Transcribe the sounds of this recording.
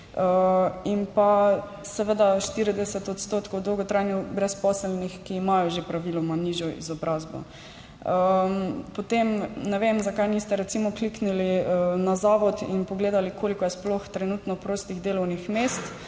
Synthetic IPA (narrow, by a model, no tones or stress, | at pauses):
əinpa | sɛʋəd̪aʃt̪iɾid̪ɛsɛt̪ɔt̪st̪oːt̪kowd̪owɡɔt̪ɾajnjubɾɛspɔsɛlnixkiːmajɔʒepɾaʋilɔmaniʒjɔʔḭzɔbɾazbɔ̰ | əpot̪emnɛʋemzakajniːst̪ɛɾɛt̪simɔkliknilinazaːʋɔt̪ḭnpɔɡleːd̪alikʰoːlikɔjɛsploxt̪ɾɛnut̪nɔpɾoːst̪iɣd̪eːlɔwnixmeːst̪